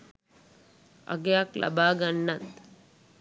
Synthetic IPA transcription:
ɐ̰ɡjaːklɐ̰baːɡɐnːɐt̪

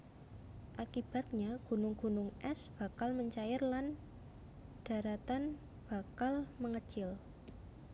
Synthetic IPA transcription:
ʔakib̥a̤t̪̚ɲaɡ̥ṳnʊŋɡ̥ṳnʊŋʔɛsb̥a̤kalməɲt͡ʃajɪrlan | d̥a̤ɾat̪an | b̥a̤kalməŋət͡ʃɪl

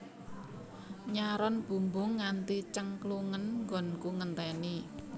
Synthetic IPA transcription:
ɲaɾɔnb̥ṳmbʊŋːant̪it͡ʃəŋkluŋənŋɡɔ̤nkuŋənt̪ɛni

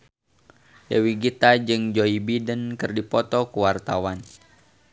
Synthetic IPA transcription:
dəwiɡit̪ad͡ʒɨŋd͡ʒoibidənkɨrdipɔt̪ɔkuwart̪awan

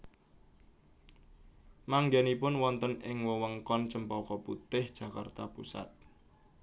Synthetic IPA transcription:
maŋɡanipʊnwɔnt̪ənɪŋwəwəŋkɔnt͡ʃəmpɔkɔput̪ɪhd̥ʒ̥ä̤ka̰rt̪a̰pṵsa̰t̪̚

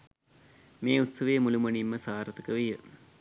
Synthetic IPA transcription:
meːut̪sɐʋejmulumɐɳimːəsaːɾɐt̪əkəʋejə

